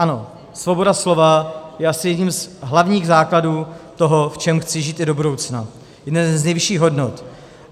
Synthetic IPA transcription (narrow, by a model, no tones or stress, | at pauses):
ʔano̞ | svo̞bo̞daslo̞vajɛʔasɪjɛdɲimzɦlavɲiːɣzaːkladuːt̪o̞ɦoft͡ʃɛmxt͡sɪʒiːt̪ɪdo̞budo̞wt͡sna | jɛdnɛznɛjvɪʃiːɣɦo̞dnot̪